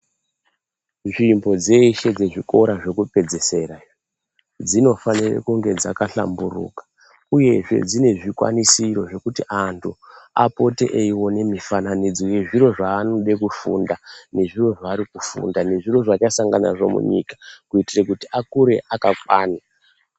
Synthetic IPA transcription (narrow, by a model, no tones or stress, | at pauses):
ʐimbo̞d͡ze̞iʃe̞d͡ze̞ʐiko̞ɾaʐe̞kupe̞d͡ze̞se̞ɾa | d͡zino̞fanirḛkuŋɡe̞d͡zakaɬa̰mburṵkḁ | uje̞ʐe̞̰d͡zine̞ʐikwa̰nisiro̞ʐe̞kutiʔantʰuapo̞tḛʔeiwo̞ne̞mifananid͡zoje̞ʐiro̞ʐaːnoɓe̞kufṵndane̞ʐiro̞ʐaːɾikufṵndaneʐiro̞ʐat͡ʃasaŋɡanaʐo̞̰mṵɲḭkḁkuitirekutiakuɾe̞ʔakakwaːna